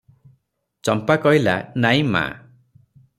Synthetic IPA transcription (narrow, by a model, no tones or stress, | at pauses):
t͡ʃɔmpakɔɦila̰naĩma̰